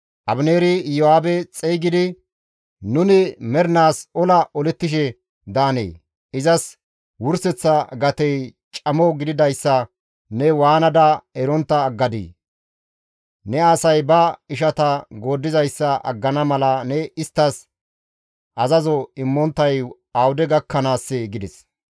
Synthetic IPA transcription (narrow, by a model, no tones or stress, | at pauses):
ʔɐbneːɾɪjɔaːbɛt͡sʼejɡɪd̪ɪ | nʊnɪmɛɾnaːsɔlɐʔɔlɛt̪ːɪʃ̬ɛ | d̪aːnḛː | ɪzɐs | wʊɾsɛt͡sːɐɡɐt̪ɛjt͡ʃʼɐmɔɡɪd̪ɪd̪ɐjsːɐ | nɛwaːnɐd̪ɐɛɾɔnt̪ːɐːɡːɐd̪ḭː | nɛaːsɐjbɐɪʃɐt̪ɐɡoːd̪ːɪzɐjsːɐʔɐ̰ɡːɐnɐmɐlɐnɛɪst̪ːɐs | ʔɐzɐzɔɪmːɔnt̪ːɐj | ɐwʊd̪ɛɡɐkːɐnaːsːɛɡɪd̪ɛs